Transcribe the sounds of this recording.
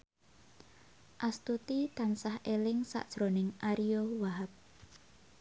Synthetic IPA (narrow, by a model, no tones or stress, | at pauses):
ʔast̪ut̪it̪ansahelɪŋsa̰ʔd̥ʒ̥ɾonɪŋʔaɾijowaɦap̚